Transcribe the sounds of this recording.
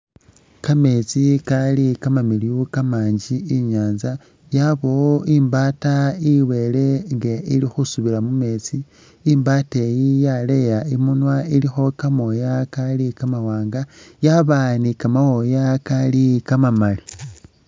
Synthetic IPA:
kame̞t͡sikalikamamiliukamaːɲɟiiɲaːnza | jaβoimbaːtaiwele̞ŋɡeilixusuβilamume̞t͡siː | mbatejijalejaimunwailixo̞kamo̞jakalikamawaːŋɡajaβanikamawojakalikamamali

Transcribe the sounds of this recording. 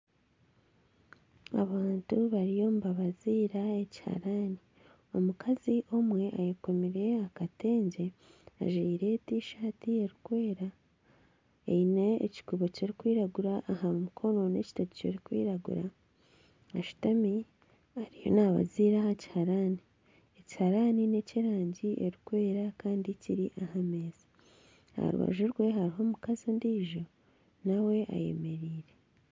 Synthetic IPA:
a̰βaːntuβaɾijo̞muβaβaziːɾaeci̥ha̰ɾani | omukʰaziʔo̞mwe̞ʔajeko̞miɾe̞akate̞ːɲɟe̞a̰ʒiːɾe̞tiːʃaːtieɾikwe̞ːɾa | ḛinḛːci̥kuβoceɾikwiːɾaɡuɾaʔːhamumukʰo̞no̞nḛci̥tati̥coɾikwḭːɾaɡṵɾa | aʃu̥tami | aɾijo̞̰naβa̰ziɾahaci̥haɾani | eci̥haɾanine̞ciɾaːɲɟiʔeɾikwe̞ːɾakaːndiciɾiʔaɦameːzi̥ | ha̰ɾṵβa̰ʒuɾɡwe̞ɦaɾiɦo̞mukazindiːʒo̞ | nawe̞ʔa̰je̞̰me̞ɾiːɾe̞

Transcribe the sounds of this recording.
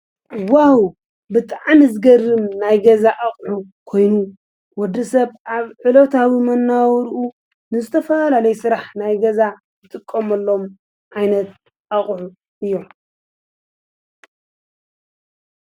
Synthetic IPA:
ʔwahu | bɨt̪ʼaʕmizɨɡɐrːɨmnajɡɐzaʔaχʼʕu | kʰo̞jnu | wɔd̪ːɐsɐβʔaβʕɨlot̪ʰawimɐnːawɾu | nɨzɨt̪ʰɐfɐlalɐjsɨɾaħnajɡɐza | zɨt̪ʼɨkʼːomɐlːo̞m | ʕajnɐt̪ | ʔaχʼʕu | ʔɨjːo̞

